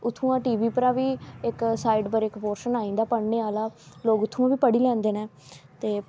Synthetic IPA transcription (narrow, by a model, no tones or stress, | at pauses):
ʊt̪ʰːũːãːʈiːʋiːpəɾãːʋiːɪksaːɪɖpəɾɪkpoːɾʃənaːĩːnd̪aːpəɽneːaːlaːloːɡʊt̪ʰːũːãːʋiːpəɽiːlɛ̃ːnd̪eːneː | t̪eː